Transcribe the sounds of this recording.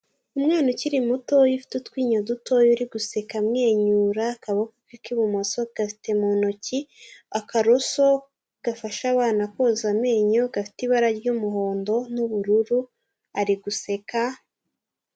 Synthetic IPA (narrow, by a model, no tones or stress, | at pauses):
umŋaːnociɾimuto̞jifi̥tutwiːɲoduto̞juɾiɡuse̞kamŋe̞ːɲuːɾakaβokokikiβumoso̞ɡ̥afi̥te̞monociakaɾoso̞ | ɡ̥afaʃaβaːnakozame̞ːɲoɡafi̥tiβaɾaɾɟumuɦo̞ːndo̞nuβuɾuɾu | aɾiɡuse̞ka